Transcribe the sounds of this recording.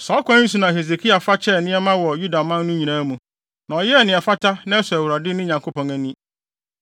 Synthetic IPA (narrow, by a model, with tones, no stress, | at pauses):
sɔ˨˦kʰʷã˦nĩ˦s̬u˨nã˨he˨ze˨kʰi˦a˨fa˦t͡ɕʰɛ˦˨nɪ̃˦ɛ˦mã˦wɔ˨ju˦da˨mã˦n˦nʊ̃˦ɲĩ˨nã˦mũ˨ | nã˨ɔ˨jɛ˦ɛ˨nɪ̃˨ɛ˨fa˦tʰa˦nã˦ɛ˦sɛ˨æ˨wʊ˨ɾa˨dɪ˦nʊ̃˦ɲã˨ŋkʰo˦pɔ̃˨ŋæ̃˨nĩ˦